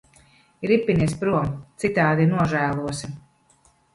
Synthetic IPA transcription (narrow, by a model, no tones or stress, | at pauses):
iɾipːinis̬pɾuɔmt̪sit̪aːd̪inuɔʒæːlˠuɔsi